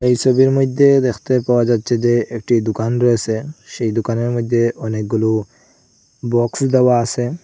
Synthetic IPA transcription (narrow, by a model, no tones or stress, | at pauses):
ejʃɔbiɾmod̪ʱːed̪ekʰt̪epaoad͡ʑatːɕʰed͡ʑeek̚ʈid̪ukanɾɔet͡ɕʰeʃejd̪ukaneɾmojd̪ʱːeɔnek̚ɡulu | bɔksd̪ewaasʰe